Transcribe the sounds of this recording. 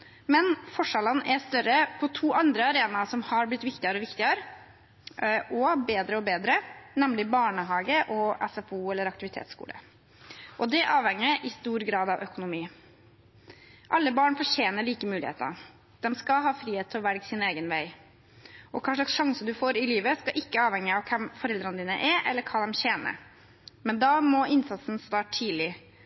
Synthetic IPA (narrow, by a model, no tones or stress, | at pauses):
mɛnfɔʂɑlənʔɛst̪œɾəpʰɔt̪ʰuːʔɑnd̪ɾəɑɾeːnɑsɔmhɑɾblɪt̪ːʋɪkt̪ɪəɾɔʋɪkt̪ɪəɾ | ʔɔbeːd̪ɾəɔbeːd̪ɾənɛmlɪbɑːɳəɦɑːɡəʔɔɛsɛfuːɛlːəɾɑk̚t̪ɪʋɪt̪ʰḛːt̪skṵːlə̰ | ʔɔd̪ɛʔɑːʋhɛŋːəʔɪst̪uːɾɡɾɑːd̪ɑʋʔœkʊnʊmiː | ʔɑlːəbɑːɳfɔʂeːnəɭiːkəmʉːlɪ̰ḛːt̪əə̰ | d̪̥ɛmskɑɦɑːfɾiːheːt̪ʰːɔʋæɾɡsɪneːɡənʋæɪ | ʔɔkʰɑːʂɭɑksʂɑŋsəd̪ʉfoːɾɪliːʋəskɑʔɪkːəɑːʋhɛŋːəɑʋkʰɛmfɔɾɛld̪ɾənəd̪iːnə̰ʔɛʔɛ̰lːəɾkʰɑːd̪ɛmɕeːnə̰ɾ | mɛnd̪ɑːmɔɪnsɑt̪sn̩st̪ɑːʈʰiːlɪ